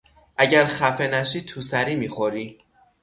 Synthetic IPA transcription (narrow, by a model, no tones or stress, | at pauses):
ʔæɟæɾxæfe̞næʃiːt̪ʰusæɾiːmiːxoɾiː